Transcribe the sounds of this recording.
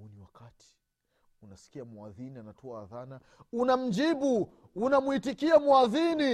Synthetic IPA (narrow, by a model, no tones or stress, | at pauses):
uniwakatʰi̥ | unasi̥kiamuaðinianatɔaːðana | unam̩d͡ʒiɓu | unamuitikiamwaðini